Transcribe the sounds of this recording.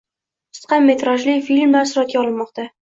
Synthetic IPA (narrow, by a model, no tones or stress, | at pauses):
ʊ̥sqɑmːe̞t̪ɾaʒlɪfilmlaɾsʊɾat̪̚ɡʲaɒlˠɪnmːɒqt̪a